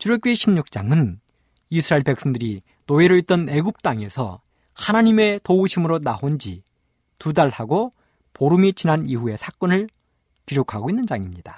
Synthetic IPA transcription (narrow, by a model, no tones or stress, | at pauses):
t͡ɕuɾjʌk͈eɕʰimɲuk̚t͡ɕ͈a̰ŋɯn | isʰɯɾaiɭpe̞k̚s͈ʌŋdɯɾi | noeɾɯit̚t͈ʌne̞ɡup̚t͈aŋe̞sʰʌ̰ | hanaɲime̞touɕʰimɯɾonaɦond͡ʑḭ | tudaɭhaɡo | poɾumit͡ɕinaniɦue̞sʰak͈ʌnɯɭ | kiɾjokʰaɡoinːɯnd͡ʑaŋimɲida